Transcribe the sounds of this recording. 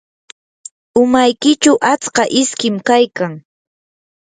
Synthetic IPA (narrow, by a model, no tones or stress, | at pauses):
ʊmajkɪt͡ʃʊʔat͡skɑʔɪskɪmkajkaŋ